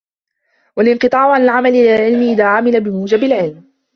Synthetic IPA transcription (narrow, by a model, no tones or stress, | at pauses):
walɪnqɨt̪ˤɑːʕʊʕalalʕamalɪʔɪlalʕɪlmɪʔɪðaːʕamɪlabɪmuːd͡ʒabɪlʕɪlm